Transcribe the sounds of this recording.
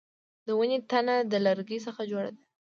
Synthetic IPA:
d̪əwənet̪anad̪əlaɾɡisəxad͡ʒoɽa̰d̪a

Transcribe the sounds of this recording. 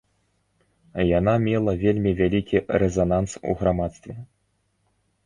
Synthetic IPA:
janamʲɛlˠɐvʲelʲmʲivʲalʲikʲiɾɛzanansṵɣɾamat̪st̪vʲɛ

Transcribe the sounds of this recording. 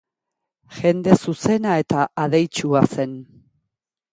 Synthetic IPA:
ʝe̞nd̪e̞suse̞nae̞t̪aʔaðe̞jt͡ʃuase̞n

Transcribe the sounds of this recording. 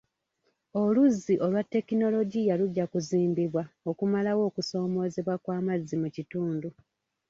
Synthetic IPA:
o̞luzːiʔo̞lwatːe̞kino̞lo̞ɟijaluɟːakuziːmbiβwao̞kumalawo̞ːkuso̞ːmo̞ːze̞βwakwaːmazːimucituːndu

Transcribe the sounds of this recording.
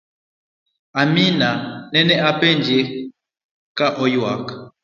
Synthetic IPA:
aminanɛnɛʔapɛnd͡ʒe | kaʔɔjwakḁ

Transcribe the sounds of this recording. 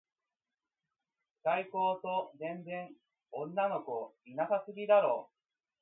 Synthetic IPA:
kaiko̞ːt̪o̞nẽ̞nzẽ̞ɴ | õnːano̞ko̞inasasɨɡʲid̪aɾo̞ː

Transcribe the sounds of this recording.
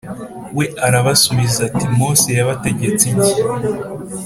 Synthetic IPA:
we̞aɾaβasuβizatimoːsejaβate̞ɟe̞t͡sije

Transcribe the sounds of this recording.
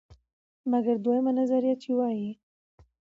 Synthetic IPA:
maɡaɾd̪wajəmanazaɾijɑt̪t͡ʃiwɑji

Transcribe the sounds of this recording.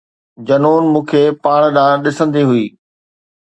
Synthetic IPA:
d͡ʑɐnoːnmũːkʰeːpaːɽ̃ɗãːɗɪsə̃nd̪iɦʊiː

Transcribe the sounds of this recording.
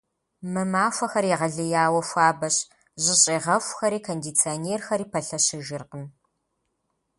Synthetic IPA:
mɨmaːfʷɐxɐɾiʁɐɮɨjaːwɐfʷaːbɐɕ | ʑɪɕʼiːʁɐfʷxɐɾiːkʰondit͡sʰioneːrxɐɾiːpʰɐɬɐɕɪʒɪrqən

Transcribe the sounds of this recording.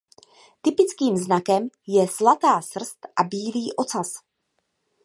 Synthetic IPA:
t̪ɪpɪt͡skiːmznakɛmjɛslat̪aːsr̩st̪ʔabiːliːʔo̞t͡sas

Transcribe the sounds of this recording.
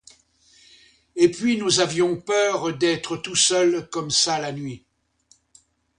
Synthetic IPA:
epɥinuzavjɔ̃pœʁd̪ɛt̪χət̪usœlkɔmsalanɥi

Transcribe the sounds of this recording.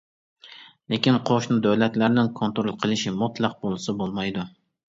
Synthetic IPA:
lekʲinqʰoʃnʊd̪æwlɛt̪læɾnɪnkʰont̪ɾolˠqʰəlˠɪʃɪmʊt̪lˠɑq̚bolˠɨsɪbolˠmɑjd̪u

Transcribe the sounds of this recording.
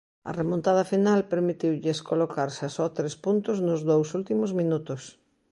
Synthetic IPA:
ɐ̰remõnt̪að̞ɐfinalpeɾmit̪iwʎɪskolokaɾsasɔt̪ɾespunt̪ʊznʊzðowsult̪imʊzmĩnut̪ʊs

